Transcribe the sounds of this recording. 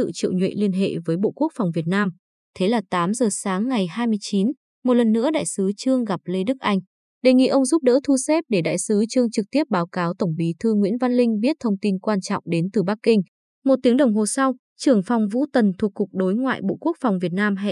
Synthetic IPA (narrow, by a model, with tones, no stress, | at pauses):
ɨ̰˧˨t͡ɕḭ˧˨wɲwḭ˧˨li˧ənɦḛ˧˨vəː˨˦jɓo̰˧˨ku˦˥ək̚fɔ˨˩wvi˨˩ət̚naː˧m | t̪ʰe˨˦laː˨˩t̪aː˨˦mzəː˨˩saː˨˦ŋːa˨˩jhaː˧jmɨ˧əjt͡ɕi˨˦n | mo˨˩lə˨˩nːɨ̰˧˥əɗa̰ː˧˨jsɨ˨˦t͡ɕɨ˧əŋɣa˨˩p̚le˧ɗɨ˦˥k̚ʔa˧jŋ̟ | ɗe˨˩ŋḭ˧˨ʔə˧wŋ͡mzu˦˥p̚ɗə̰ː˧˥t̪ʰu˧sɛ˦˥p̚ɗe˧˩ɗa̰ː˧˨jsɨ˨˦t͡ɕɨ˧əŋt͡ɕɨ˨˩k̚t̪i˦˥əp̚ɓaː˨˦wkaː˨˦wt̪ə˧˩wŋ͡mɓi˨˦t̪ʰɨ˧ŋwḭ˧˥ənva˧nlï˧ŋ̟ɓi˦˥ət̚t̪ʰə˧wŋ͡mt̪i˧nkwaː˧nt͡ɕɔ̰˧˨wŋ͡mɗe˨˦nt̪ɨ˨˩ɓa˦˥kːï˧ŋ̟ | mo˨˩t̚t̪i˨˦əŋɗə˨˩wŋ͡mɦo˨˩sa˧w | t͡ɕɨ˧˩əŋfa˨˩wŋ͡mvṵ˧˥t̪ə˨˩nt̪ʰu˨˩kːʊ˨˩k͡p̚ɗo˨˦jŋwa̰ː˧˨jɓo̰˧˨ku˦˥ək̚fa˨˩wŋ͡mvi˨˩ət̚naː˧mɦ